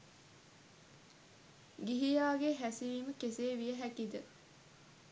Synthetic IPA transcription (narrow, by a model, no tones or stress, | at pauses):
ɡiɦijaːɡeɦæsiʋiːməkeseːʋijəɦækid̪ə